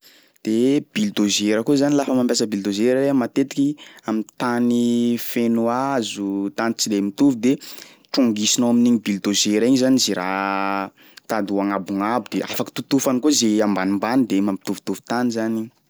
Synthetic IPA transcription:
d̪̥eb̥ild̪ozeɾəkuzanilafəmampʲjasəbild̪ozeɾaɾemat̪et̪i̥kʲiamint̪anifenuazut̪anit͡sid̪emit̪uvid̪e | ʈ͡ʂuŋɡisinoaminiɲibild̪ozeɾaiɲzaniziɾa | t̪ad̪uaŋabuŋabud̪̥eʔa̰faki̥t̪ut̪ufanikozeambanimbanid̪emampit̪uvu̥t̪uvu̥t̪anizani

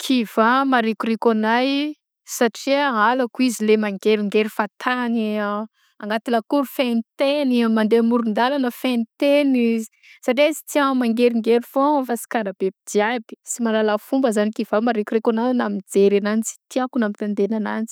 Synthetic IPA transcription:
kʰiv̥amaɾekuɾekanaj | saʈ͡ʂiaɦalakuizilemaŋɡeɾiŋɡeɾifat̪ʰani | aŋɡat̪iləkuɾufenit̪enimand̪emuɾund̪alanəfent̪enizi̥ | saʈ͡ʂesi̥t͡siamaŋɡeɾiŋɡeɾifofasi̥kaɾab̥ebid̪iabi̥simalalafumbəzanikiv̥amaɾekuɾekananamid͡zeɾanant͡si̥t̪iakunamit̪and̪enanant͡si̥

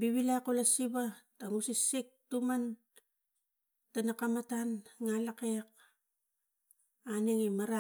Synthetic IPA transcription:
biβilakolasiβataŋusisik̚tuman | tanakamatanŋalakek̚ | aneŋimaɾa

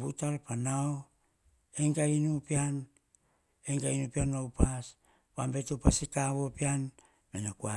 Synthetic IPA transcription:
butalpanao | eŋkainupian | eŋkainupianːowpas | pambe̞tupasikaβo̞pian | menakua

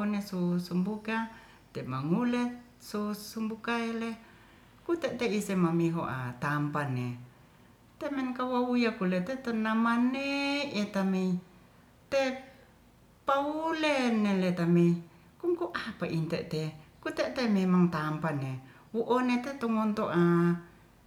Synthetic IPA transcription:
nesusumbuka | t̪emaŋulet̪ | susumbukaele | kut̪eʔt̪eisemamiɦoʔa̰t̪ampane | t̪emenkawaujakulet̪et̪onamaneʔet̪amei | t̪e | paulenelet̪amei | kuŋkuʔapaʔint̪eʔt̪ekut̪eʔt̪ememaŋt̪ampane | wuʔonet̪et̪oŋont̪oʔa

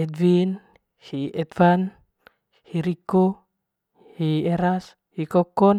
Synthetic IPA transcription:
ɛd̪vin | hiɛt̪fan | hiɾiko | hiɛɾas | hikɔkɔn

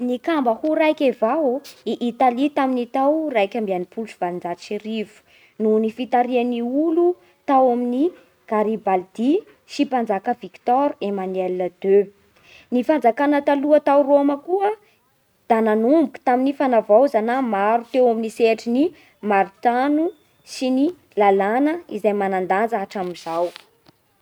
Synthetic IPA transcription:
nikambəhuɾajkʲevawiʔːt̪alit̪aminit̪awrajkʲambianipulusiv̥alind͡zaʃiɾivu̥ | nunifit̪aɾianiulu | t̪awamini | ɡ̥aɾibald̪i | ʃipand͡zakəvikt̪ɔɾemanelːəd̪̥ø | nifand͡zakanət̪aluət̪awɾoməkuə | d̪̥ananumbuku̥t̪aminifanavawzanamaɾut̪ewaminiseʈ͡ʂini | maɾut̪anu | sini | lalanəizajmanand̪and͡zaʈ͡ʂamizaw

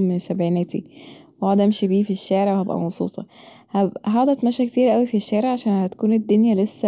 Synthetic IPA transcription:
mesæbʕinæːt̪ḭwhɑd̪æmʃebiːfiʃːaʕɾwehæbʔæ̰mɑsˤṵːt̪ˤɑ | hæbʔɦɑʕd̪ˤɑt̪mæʃæket̪iːɾʔæwifiʃːæːɾeʕaʃæːnhæt̪ækuːned̪ːonjælesːæ

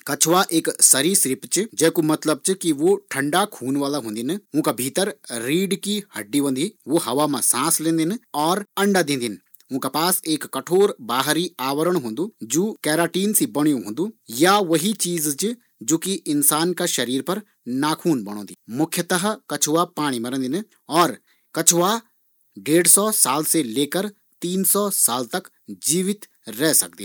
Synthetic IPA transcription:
kɐt͡ʃʰʋaʔeːksɐɾisɾɪpt͡ʃɪd͡ʒɛːkomɐt̪ləb̚t͡ʃɪkiʋoʈʰɐ̃ɳɖakʰuːnʋaːlaɦõːnd̪inʊ̃ːkabʱiːt̪əɾɾiːɖkihɐ̰ɖːiʋə̃nd̪iʋoɦɐʋamãsãːslẽːnd̪inɔːɾɐ̃ɳɖad̪ẽːnd̪in | ʊ̃ːkapaːseːkːɐʈʰoːɾbaːɦɾiaːʋəɾəɽ̃ɦõːn̆d̪uːd͡ʒoːkɛːɾaːʈiːnsibɐɽ̃ijõɦõːnd̪ujaʋɐɦit͡ʃiːzd͡ʒ | d͡ʒoːkiɪnsaːnkaʃɐɾiːɾpɐɾ | naːkʰuːnbɐɽ̃õ̰ːd̪imʊkʰːjət̪əɦəkɐt͡ʃʰʋapaːɽ̃imɐɾə̃nd̪ɪn | ɔːɾ | kɐt͡ʃʰʋa | ɖeːɽsɔːsaːlseleːkəɾ | t̪iːnsɔːsaːlt̪ɐk | d͡ʒiːʋɪt̪ | ɾɛːsɐ̰k̚d̪ḭ

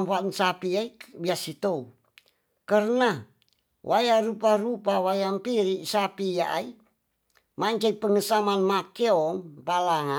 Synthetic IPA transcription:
mpansapiaibiasit̪ou | kərna | wʔajaruparupawajampiɾiʔsapija̰ʔa̰i | maɲt͡ʃaipəŋəsamanmakeɔŋpalaɦa

